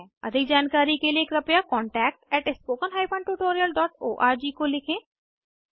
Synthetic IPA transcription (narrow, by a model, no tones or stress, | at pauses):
ɛə̰d̪ɪkd͡ʒaːnkaːɾiːkeːlieːkɾəpjaːkɔːɳʈɛːk̚ʈɛːʈɪspoːkənɦaːipʰə̃ɳɖʈuːʈoːɾijəlɖɔːʈo̰ːʔaːɾd͡ʒiːkoːlɪkʰẽː